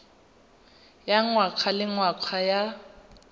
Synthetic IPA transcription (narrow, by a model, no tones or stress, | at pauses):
jaŋwakʰalɪŋwakʰaja